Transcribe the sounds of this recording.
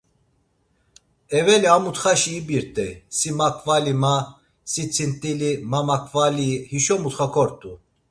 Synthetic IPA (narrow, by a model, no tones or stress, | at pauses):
ɛvɛliamut̪χaʃiːbiɾt̪ʼɛsimakʰʼvalima | sit͡sʰint̪ʼilimamakʰʼvalihiʃɔmut̪χakʰɔɾt̪ʼu